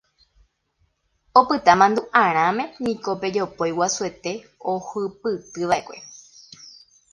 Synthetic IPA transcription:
opɨt̪amãnd̪uʔãɾ̃ãmẽ̞nĩko̞pe̞d͡ʒopojwasue̞t̪e̞ohɨpɨt̪ɨʋaʔekʷe̞

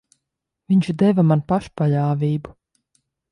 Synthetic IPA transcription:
vʲiɲt͡ʃd̪ɛvamanpaʃpaʎaːvʲiːbu

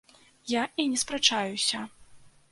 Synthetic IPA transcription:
jainʲɛspɾat͡ʂajusʲɐ

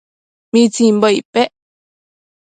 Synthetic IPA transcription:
mĩt͡sĩmbəipeʔ

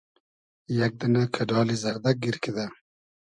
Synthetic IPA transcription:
jak̚d̪ənakʰaɖɑːlizaɾd̪ak̚ɡiɾkid̪a

